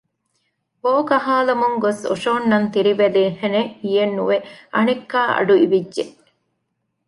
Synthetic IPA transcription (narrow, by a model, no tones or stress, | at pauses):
boːkɐɦaːlɐmuŋɡoso̰ʃoːnːɐnt̪iɾiʋeleːhenehijenːuʋeʔɐnekːaːʔɐ̰ɖuiʋidːʒeʔ